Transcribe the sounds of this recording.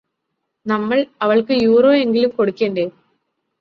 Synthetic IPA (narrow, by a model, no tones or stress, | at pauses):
nɐmːɐɭɐʋɐɭkɨjuːroːe̞ŋɡilumko̞ɽukːende